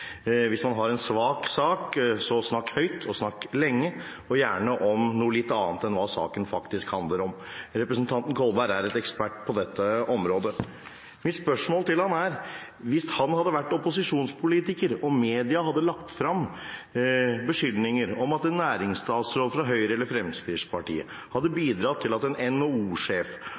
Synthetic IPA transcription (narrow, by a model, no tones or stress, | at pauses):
ʋɪsmɑnɦɑɾɛnsʋɑːksɑːksɔsnɑkːhœʏt̪ʰɔsnɑkːlɛŋːə | ɔjæːɳəʔɔmnuːlɪt̪ːɑːnt̪ɛnʋɑsɑ̰ːkənfɑkt̪ɪskhɑnd̪ləɾɔmɾɛpɾəsnt̪ʰɑnt̪n̩kʰɔlbæɪɾæɾɛt̪ɛkspæʈːpʰɔd̪ɛt̪ːəʔɔmɾoːd̪ə | mɪt̪spœʂmoːlt̪ɪlhɑnæɾ | ʋɪshɑnhɑd̪ːəʋæʈːɔpʊsɪʂuːnspʰʊliːt̪ɪkəɾɔmeːd̪ɪɑhɑd̪ːəlɑkt̪fɾɑm | bəʂʏlnɪŋəɾɔmɑt̪ɛnːæːɾɪŋst̪ɑːt̪sɾɔːlfɾɑɦœʏɾəɛləɾfɾɛmskɾɪʂpʰɑʈḭːə̰ | hɑd̪ːəbiːd̪ɾɑt̪ʰːɪlɑt̪ɛnɛnouːʂeːf